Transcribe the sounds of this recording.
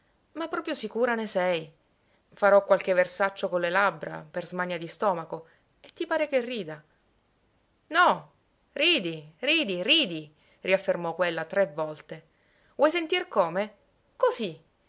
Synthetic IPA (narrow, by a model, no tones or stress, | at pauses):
mapːɾɔːpɾjosikuːɾanesɛj | faɾɔkːwalkeversat͡ʃːokonlːelabɾa̰perzmaɲːad̪ist̪ɔːmako | et̪ːipaːɾekerːiːd̪a | nɔ | riːd̪iriːd̪iriːd̪i | riafːermɔkːwelːat̪ɾevːɔlt̪e | vwɔjs̬ent̪irkoːme | kozi